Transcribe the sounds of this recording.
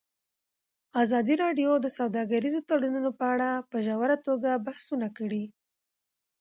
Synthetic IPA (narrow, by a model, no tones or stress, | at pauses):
azɑd̪iɾɑɖjod̪əsawd̪ɑɡaɾizot̪aɽununopəaɽapəʒawaɾat̪oɡabahsunakəɽi